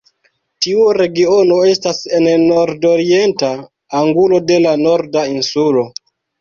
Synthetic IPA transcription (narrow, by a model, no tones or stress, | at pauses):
tiuɾe̞ɡio̞no̞e̞stasenno̞ɾdoɾie̞ntaː | ŋɡulo̞de̞lano̞ɾdainsulo̞